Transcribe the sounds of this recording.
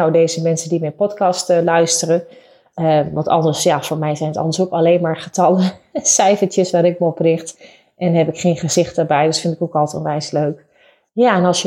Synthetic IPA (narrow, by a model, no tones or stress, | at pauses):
awdejzəmɛnsəndimɛjpɔtkɑstəlœɥstərə | əʋɑ̃ntɑ̰lˠdəɹsjafʊːɹmɛjzɛjnətɑ̰lˠdəɹsowkɑleːnmaːɹχətɑləsɛjfəɹtjəsʋaːɾɪk̚məɔprɪχt | ʔɛnɦɛpɪkχejnχəzɪχtdəɹbɛjdøsfɪntɪkokɑlˠtɔ̰nʋɛjsløɥk | jaɛnɑlˠsjə